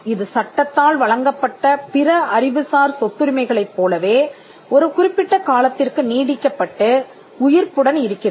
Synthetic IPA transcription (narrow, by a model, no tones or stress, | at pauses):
ɪðɯsɐʈːɐt̪ːaːlʋɐɻɐŋɡɐpːɐʈːɐpɪɾɐɐɾɪʋɯsaːɾsɔt̪ːɯɾɪmɐɪɣɐɭɐɪpːoːlɐʋeː | ɔɾɯkʊrɪpːɪʈːɐkaːlɐt̪ːɪrkɯniːɽɪkːɐpːɐʈːɯ | ʊjɪɾpɯɽɐnɪɾɯkːɪɐ